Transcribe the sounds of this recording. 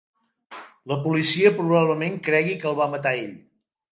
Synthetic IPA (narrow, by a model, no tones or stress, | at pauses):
ləpulisiəpɾuβaβləmeŋkɾɛɣikəlˠβ̞amət̪aeʎ